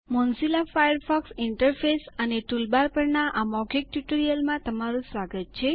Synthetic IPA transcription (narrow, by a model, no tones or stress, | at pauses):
mɔnsilafajəɾfʰɔksiɳʈəɾfʰesəneʈulbaɾpəɾnaʔamɔɡik̚ʈjuʈəɾijəlmãt̪əmaɾũsʋaɡət̪̚t͡ʃʰe